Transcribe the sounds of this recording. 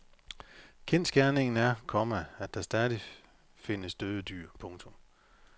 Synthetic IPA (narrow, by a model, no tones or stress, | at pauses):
kʰensɡ̥æɐne̝ŋn̩æɐkʰɒ̽mææd̥d̥ɑ̈sd̥ɛðˠi | fe̝nəsd̥øð̞ˠəd̥y̰ːɐ̰pʰɔ̽ŋt͡sʰɔ̽m